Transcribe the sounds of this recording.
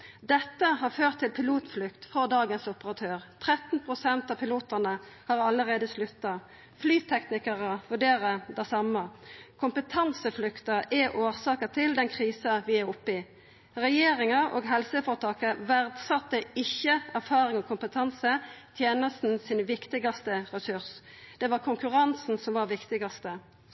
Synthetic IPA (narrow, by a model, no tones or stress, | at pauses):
d̪ɛt̪ːəhɑːføːʁt̪ʰːɪlpʰɪluːt̪flʏkt̪fɔʁd̪ɑːɡənsʊpəʁɑt̪ʰøːʁt̪ʰʁɛt̪n̩pʰʁʊsɛnt̪ɑpʰɪluːt̪æʁnəhɑːʁɑlːəʁeːd̪əslʉt̪ːɑ | flyːt̪ʰɛknɪkəʁəʋʉɖeːʁəd̪æɪsɑməkʰʊmpət̪ʰɑnsəflʏkt̪əʔɛʔoːʁsɑːkət̪ʰɪld̪ɛnkʰʁiːsɑʋɪæɾʊpːɪ | ɾɛjeːɾɪŋɑo̰ːɡɦɛlsəfɔʁt̪ʰɑːkəʋæʁd̪sɑt̪ːəɪçːəæʁfɑːʁɪŋɔːkʰʊmpət̪ʰɑnsət̪ʰjeːnəst̪n̩sɪnʋɪkt̪ɪɡɑst̪əɾɛsʉʁs | d̪̥ɛʋɑʁkʰʊŋkʉʁɑnsn̩sɔmʋɑʁʋɪkt̪ɪɡɑst̪ə